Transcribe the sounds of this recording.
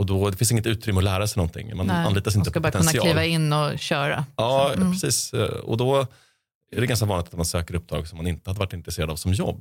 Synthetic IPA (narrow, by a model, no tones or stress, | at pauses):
ɔd̪ɔd̪ɛfɪnsɪŋːət̪ʉ̟ːt̪ʰɾʏmːəɔlæːɾasɛɪjnɔnt̪ʰɪ̰ŋːmananliːt̪as̬ɪnt̪əbt̪ɛnnːasɪɑːliːvaɪnːɔɕœːɾa̰ɑːpɾɛsiːsɔ̰d̪ɔ | æɖɛɡanskavɑːnlɪkt̪at̪mansøːkəɾɵp̚ːt̪ʰɑ̰ːɡsɔmːanɪnt̪ə̥had̪ːəvaʈːɪnt̪ɾɛseːɾad̪avsɔmjɔ̰bː